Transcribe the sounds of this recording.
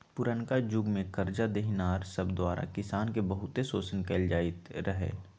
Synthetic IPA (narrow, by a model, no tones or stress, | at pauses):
pʊɾənkad͡ʒʊɡmẽkɐɾd͡ʒad̪eɦnaːɾsəbd̪waːɾa̰kɪsaːnkebəɦʊt̪esoːsənkɛːld͡ʒaːɪt̪ɾəɦḛː